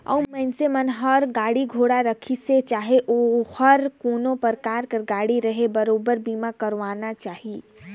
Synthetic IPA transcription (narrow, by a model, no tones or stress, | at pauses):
ə̰mənsemənɦəɾɡaːɽiɡʱoɽaɾəkʰiset͡ʃaːɦeʔohəɾkoːnopəɾkaːɾkəɾɡaːɽiɾəɦebəɾobəɾbiːmakəɾʋanat͡ʃaːɦi